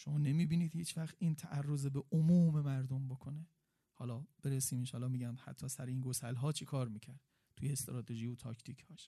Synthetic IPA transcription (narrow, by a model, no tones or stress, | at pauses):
ʃomɒːnemiːbiːniːd̪hiːt͡ʃvæxt̪iːnt̪ʰæʔærːozebeʔomuːme̞mæɾd̪ombokʰone | hɒːlɒːb̥e̞ɾesiːminʃɒːlːɒːmiːɟænd̪hæ̰t̪ʰːɒːsæɾeinɡosælɦɒːt͡ʃʰekʰɒːɾmiːcʰæɾd̪̥ | t̪ʰujeːst̪ɾɒːt̪ʰeʒijot̪ʰɒːcʰt̪ʰikʰhɒːʃ